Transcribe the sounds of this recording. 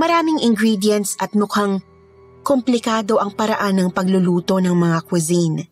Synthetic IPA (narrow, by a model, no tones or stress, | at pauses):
mɐɾaːmɪŋʔɪŋɡɾiːd̪jɛnt̪sʔɐt̪̚mʊkaŋ | komplɪkaːd̪o̞ʔɐŋpɐɾɐʔanːɐŋpɐɡlʊluːt̪o̞nɐŋmɐŋakwɪzin